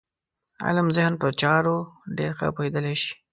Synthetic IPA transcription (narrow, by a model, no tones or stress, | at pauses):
a̰ləmzɪhnpəɾt͡ʃɑɾoɖeɾxə̰pohed̪əleʃi̥